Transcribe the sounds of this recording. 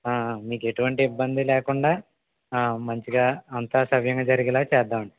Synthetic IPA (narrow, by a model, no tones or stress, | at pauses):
aːmiːke̞ʈuʋɐɳʈiːbːɐnd̪ilɛːkuɳɖaː | mɐɲt͡ʃiɡaːɐnt̪aːsɐʋjɐŋɡaːd͡ʒɐɾiɡilaːt͡ʃɛːd̪aːmɐɳʈi